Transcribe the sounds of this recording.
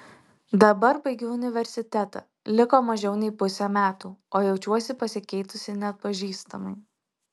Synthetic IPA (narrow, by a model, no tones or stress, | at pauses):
d̪ɐbɐɾbɐɪɡʲuːʊnʲɪʋʲɛɾʲsʲɪt̪ʲɛt̪ɐ̰ | lʲɪkoːmɐʒʲɛʊnʲɛɪpʊsʲɛmʲæːt̪uːoːjɛʊt͡ʃʲuɔsʲɪpɐsʲɪkʲɛɪt̪ʊsʲɪnʲɛt̪̚pɐʒʲiːst̪ɐmɐɪ